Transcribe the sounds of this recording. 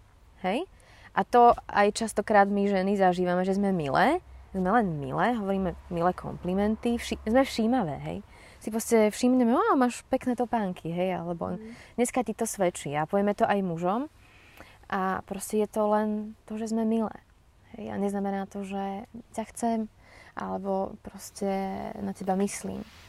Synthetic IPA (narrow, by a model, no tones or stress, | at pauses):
hɛj | ʔat̪ɔa̰jt͡ʃast̪ɔkɾaːd̪miʒɛnizaʒiːʋamɛʒɛzmɛmḭlɛːzmɛlɛnmḭlɛːɦɔʋɔɾiːmɛmilɛːkʰɔ̰mplimɛnt̪ifʃizmɛfʃiːmaʋɛ̰ːɦɛ̰j | sipɾɔscɛfʃimɲɛmɛɔmaːʃpɛknɛːt̪ɔpaːŋkʰiɦɛja̰lɛbɔ̰d̪ɲɛskacit̪ɔsʋɛt͡ʃiapɔʋjɛmɛt̪ɔʔajmuʒɔm | ʔapɾɔscɛjɛt̪ɔlɛnt̪ɔʒɛzmɛmilɛ̰ː | ɦɛja̰ɲɛznamɛnaːt̪ɔʒɛcaxt͡sɛm | ʔa̰lɛbɔpɾɔscɛnacɛbamislḭːm